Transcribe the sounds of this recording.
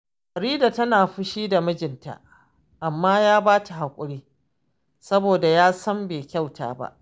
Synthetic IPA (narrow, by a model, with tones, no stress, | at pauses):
ʔa˨ɾiː˦da˨tɐ˦naː˨ɸʊ˦ʃiː˦da˨mɐ˦d͡ʒɪ˨nta̰˨ʔ | ʔa˨mːaː˦jaː˦baː˦ta˨ɦa˨kʷʼʊ˦ɽiː˦ | sɐ˦boː˨da˨jaː˦sɐ˦mbeː˨kʲa˦˨wtʰa̰ː˨˦ba̰˦ʔ